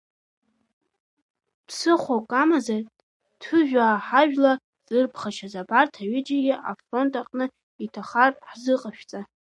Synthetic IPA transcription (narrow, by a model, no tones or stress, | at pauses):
pʰsɨχʷokʼamazar | tʰɨʒᶣaːħaʒᶣla | zʼɨrpʰχaʃazabartʰaɥɪd͡ʒaɡʲiʔa̰fro̞ntʼaqʼnɨ | itʰaχarħzɨqʼaʃᶣt͡sʼa